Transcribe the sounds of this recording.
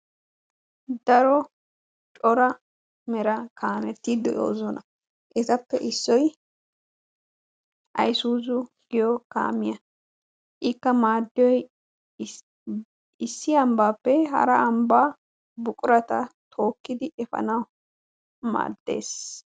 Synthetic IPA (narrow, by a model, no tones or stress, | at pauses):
d̪ɐɾɔ | t͡ʃʼɔɾɐ | mɛɾɐkʰaːmɛt̪ːiːd̪ɔo̰ːzɔnɐ | ʔɛt̪ɐpːɛʔɪsːɔj | ʔɐ̰jsuːzʊɡ̥ɪjɔka̰ːmɪjɐ | ʔɪkːɐmaːd̪ːɪjɔj | ɪsːɪɐmbaːpːɛɦɐ̰ɾɐːmbaː | bʊkʼʊɾɐt̪ɐt̪ʰo̞ːkːɪd̪ɪʔɛfɐ̰nɐw | ma̰ːd̪̥ːe̞̰ːs